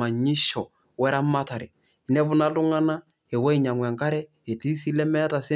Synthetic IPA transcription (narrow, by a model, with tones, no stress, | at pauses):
a˨ɲi˦ʃɔ˨ | wɛ˦ɾa˦ma˦ta˨ɾɛ˨ | nɛ˦βʊ˦na˦lʊ˦ŋa˦na˦ | e˨wɛ˦i˨ɲa˨ŋwɛ˨ŋka˦ɾɛ˦ | e˨ti˦si˦lɛ˦mɛ˦ta˨sɪ˦